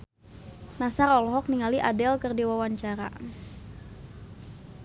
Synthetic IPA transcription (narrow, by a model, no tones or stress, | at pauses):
nasarɔlɔɦɔk̚niŋaliʔadɛlkərdewawaɲt͡ʃaɾa̰